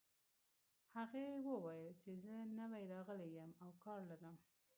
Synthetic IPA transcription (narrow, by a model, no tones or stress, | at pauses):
haɣewəwajəlt͡ʃezənəwajɾɑɣəlejəmawkɑɾlaɾəm